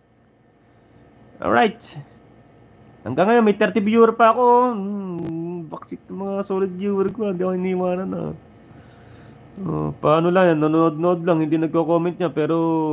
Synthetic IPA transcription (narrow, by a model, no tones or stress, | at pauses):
ʔo̰ɹajt̪̚ | hɐ̰ŋɡaŋɐjomɐjt̪ɛɾt̪ɪbjuːɛɾpɐːko̞ | bɐksɪt̪̚ɐmɐŋasoːlɪd̪̚juːwɛɾkohɪnd̪iɐkohɪniɪwaːnɐnɐ̰ | ʔo̰pɐaːnolɐŋjanːononod̪̚nod̪̚laŋhɪnd̪inɐɡ̚kokoːmɛnt̪̚ɲapɛːɾo̞